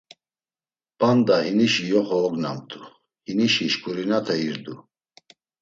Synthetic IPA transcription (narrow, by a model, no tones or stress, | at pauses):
pʼand̪ahiniʃijɔχɔːɡnamt̪ʰʼu | hiniʃiʃkʼuɾinat̪ʰɛiɾd̪u